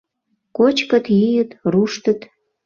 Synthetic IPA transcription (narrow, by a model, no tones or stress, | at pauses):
kot͡ɕkət̪jijət̪ruʃt̪ə̆t̪